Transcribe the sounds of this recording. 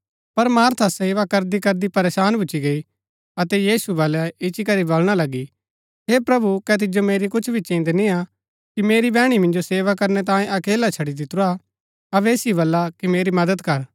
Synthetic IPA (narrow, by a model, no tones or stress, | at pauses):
pɐɾmaːɾt̪ʰaseːʋakɐɾd̪ikɐɾd̪ipɐɾeːsaːnbʊt͡ʃːt͡ʃːiɡɐi | ɐt̪ɛjiːsubɐlɛɪt͡ʃikɐɾibolɽ̃alɐɡi | ɦeːpɾɐbukɛt̪̬ɪd͡ʒomeːɾikʊt͡ʃʰbʱit͡ʃĩːnd̪nia | kimeːɾibɛ̃ːɽ̃imɪ̃nd͡ʒoseːʋakɐɾnɛt̪̬ãːẽʔɐkeːlat͡ʃʰɐɽid̪ɪt̪ɾa | ɐbeːsibɐlːakimeːɾimɐd̪əd̪kɐɾ